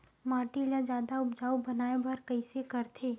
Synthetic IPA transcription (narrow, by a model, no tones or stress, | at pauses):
maːʈilãd͡ʒjaːd̪aʊbd͡ʒaːubɐnaːebʱɐɾkəɪsekɐɾt̪ʰeː